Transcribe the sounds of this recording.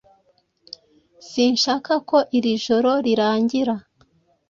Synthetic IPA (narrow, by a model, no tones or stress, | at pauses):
siːnʃaːkako̞ʔiɾiʒo̞ɾo̞ɾiɾaːɲɟiɾa